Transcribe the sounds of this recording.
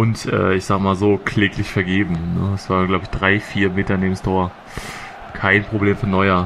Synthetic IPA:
ʔʊntʔɛ̰ːʔɪçz̥aːɡəmaːlzoːkʰleːklɪçfɛɐɡeːbm̩nəɛsv̥aːʁn̩ɡlaʊbəɪçd̥ʁaɪfiːɐmeːtɐneːbm̩stʰoːɐ | kʰaɪnpʁ̥obleːmfɔnːɔʏɐ

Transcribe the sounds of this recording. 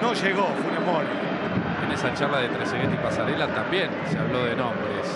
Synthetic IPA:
noʒeɣofunemoɾjo | enesat͡ʃaɾlaðet̪ɾeseɣet̪ipasaɾelat̪ambjenseaβlo̞ðenõmbɾes

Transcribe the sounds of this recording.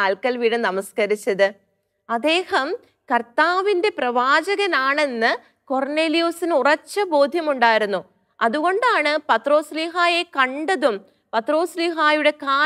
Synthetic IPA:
aːlkɐlʋiːɽɐnɐmɐskɐɾit͡ɕːɐðɨ | ɐd̪ːe̞ːhɐm | kɐrt̪aːʋinde̞prɐʋaːd͡ʑɐɣɐnaːɳe̞nːɨ | ko̞rneːlijusinurɐt͡ɕːɐbo̞ːd̪ʱjɐmuɳɖaːjiɾunːu | ɐðuɣo̞ɳɖaːɳɨpɐt̪ro̞ːsliɦaːje̞kɐɳɖɐðum | pɐt̪ro̞ːsliɦaːjuɽe̞kaː

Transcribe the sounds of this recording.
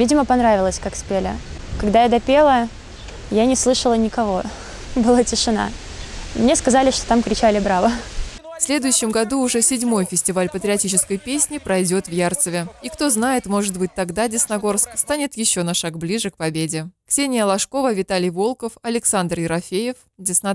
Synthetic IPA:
vʲidʲɪməpɐnɾavʲɪlˠəsʲkakspʲelʲɪ̰kɐɡd̪ajad̪ɐpʲe̞lˠə | janʲɪslˠɨʂəlˠənʲɪkɐvo̞ | bɨlˠatʲɪʂɨna̰ | mnʲeskɐzalʲɪʂt̪o̥t̪amkɾʲɪt͡ɕælʲɪbɾavəfsʲlʲe̞d̪ʊjʉɕːɪmɡɐd̪uːʐɛsʲɪdʲmo̞jfʲɪsʲtʲɪvalʲpət̪ɾʲɪɐtʲit͡ɕɪskəjpʲesʲnʲɪpɾɐjdʲo̞t̪vjart̪səvʲɪikt̪o̞znajɪt̪mo̞ʐɨt̪̚bɨt̚ʲt̪ɐɡd̪adʲɪsnɐɡo̞rskst̪anʲɪt̪jɪɕːo̞nɐʂaɡblʲiʐɨk̚pɐbʲedʲɪksʲenʲɪjəlˠɐʂko̞vəvʲɪt̪alʲɪjvo̞lˠkəfɐlʲɪksand̪rjɪɾɐfʲejɪf | dʲɪsnɐ

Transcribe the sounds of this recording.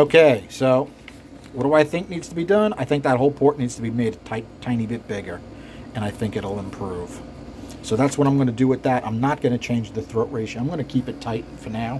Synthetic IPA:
oʊkʰeɪsoʊ | wʌɾəaɪθɪ̃ŋk̚nidz̥tʰəbidʌ̃na̰ɪθɪ̃ŋk̚ðət̚ɦoʊlˠpʰɔɹʔnidz̥tʰəbimeɪd̚tʰaɪttʰãɪ̃nibɪt̚b̥ɪɡə˞ | ɨ̃ñaɪθɪ̃ŋkɨɾl̩ˠɪ̃mpʰɹ̥uv̥ | soʊðætswʌ̃ə̃ɾãɪ̃mɡʌnɨdɨwɨt̪̚ðɨtã̰ɪ̃mnət̚ɡ̥ʌnɨt͡ʃʰẽɪ̃nd͡ʒðɨθɹoʊʔɹeɪʃãɪ̃mɡʌnɨkʰipɨtʰaɪt̚fə˞naʊ

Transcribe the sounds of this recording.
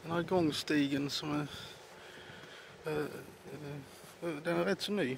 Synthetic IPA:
d̪̥ɛnæɾɡɔŋst̪iːɡənsɔmæ | d̪ɛnæɾɾɛt̪ːsɔnyː

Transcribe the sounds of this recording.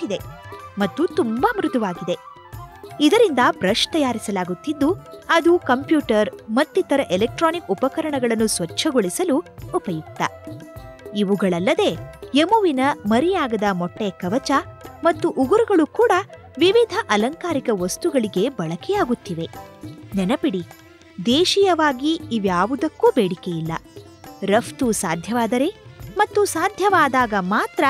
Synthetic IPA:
id̪e̞mɐt̪ːut̪umbɐmɾud̪uʋaːɡid̪e̞ | id̪ɐɾind̪ɐpɾɐʂt̪ɐjaːɾisɐlaːɡut̪ːid̪ːuɐd̪ukɐmpjuːʈɐɾmɐt̪ːit̪ɐɾɐʔelek̚ʈɾaːnikupɐkɐɾɐɳɐɡɐɭɐnːusʋɐt͡ʃʰːɐɡoɭisɐluupɐjuk̚t̪ːɐ̰ | iʋuɡɐɭɐlːɐd̪e̞ːemuʋinɐmɐɾijaːɡɐd̪ɐmɔʈːekɐʋɐt͡ʃɐmɐt̪ːuʔuɡuɾuɡɐɭukuːɽɐ | ʋiʋid̪ʱɐʔɐlɐŋkaːɾikɐʋɐst̪uɡɐɭiɡe̞bɐɭɐkɛjaːɡut̪ːiʋe̞nɛnɐpiɽi | d̪eːʃijɐʋaːɡiiʋjaːʋud̪ɐkːuːbeːɽike̞jilːɐ̰ | ɾɐft̪usaːd̪ʱjɐʋaːd̪ɐɾe̞mɐt̪ːusaːd̪ʱjɐʋaːd̪aːɡɐmaːt̪ɾɐ

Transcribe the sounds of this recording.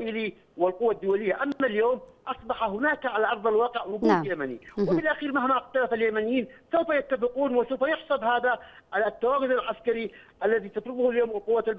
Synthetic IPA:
ʔɪli | wɪlqʊwːad̪ːʊwalɪjːaʔamːaljoːmʔɑsˤbɑħaɦʊnaːkʕalaʔɑɾˤðˤɑlwɑːqɪʕwʊɡuːd̪jamanḭwɪfɪlʔaxiːɾmahmaɪxt̪alafaljamanɪjiːnsawfajat̪ːafɪquːnwɪsawfajʊħsˤɑbhaːða | ʕalat̪ːawaːɡʊd̪alʕaskaɾi | ʔalːaðit̪ɑfɾʊbʊhaljoːmɪlqʊwːalb

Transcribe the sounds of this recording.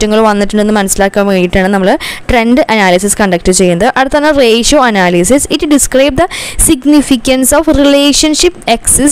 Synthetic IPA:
tːɐŋːɐɭʋɐnːiʈːuɳɖenːɨmɐnɐsːilaːkːaːmkejiʈːaːɳɨnɐmːɐɭʈre̞nɖɨʔɐnaːlisiskɐɳɖɐk̚ʈːɨt͡ɕe̞jːunɐðɨʔɐɽut̪ːɐaːnːɐreːʂoːɐnaːlisisitːɖiskrɐjb̚d̪ɐsiɡnifikʲːɐnsofrileːʂɐnʂipːekses

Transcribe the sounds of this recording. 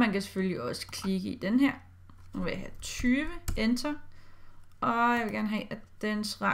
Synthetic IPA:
mænkæse̥følliɒ̽sə̥kʰliɡ̥əid̥enɦeɐ̰ | ʋe̝jɑɦæt͡sʰyːʋəend̥ʰɐ | ʔɒ̽jɑɪʋe̝ɡæɐnəɦɛ̰ːʔæd̥ensʁɑ̈

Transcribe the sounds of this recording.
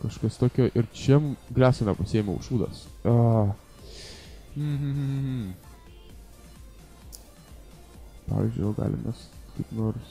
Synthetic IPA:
kɐʃkɐst̪oːkʲoːʔɪɾt͡ʃʲɛmɡlʲæːsʲonʲɛpɐsʲɪeːmʲo̰ʊ̰ʃuːd̪ɐ̰so | m̩m̩ | pɑ̰ːʋʲḭzʲd͡ʒʲʊoːɡɑ̰ːlʲɪ̰mʔʲɛskɐɪpnoːɾs

